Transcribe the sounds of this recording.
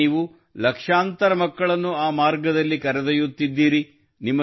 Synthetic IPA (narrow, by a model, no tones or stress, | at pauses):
iːʋu | lɐkʂaːnt̪ɐɾɐmɐkːɐɭɐnːuaːmaːɾɡɐd̪ɐlːikɐɾɐd̪ɐjut̪ːid̪ːiːɾi | nimːɐ